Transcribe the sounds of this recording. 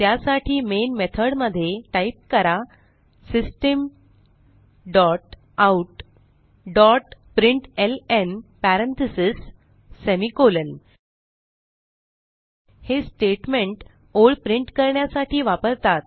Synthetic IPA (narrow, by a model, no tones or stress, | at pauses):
t̪jasaʈʰiːmenmet̪ʰəɽməd̪ʱːjeʈajip̚kəɾa | sisʈəm | ɖɔʈ̚ | auʈ | ɖɔʈpɾiɳʈelenpæɾent̪ʰisisː | emikolən | hesʈeʈmeɳʈ | oɭpɾiɳʈkəɾɳjasaʈʰiːʋapəɾt̪at̪̚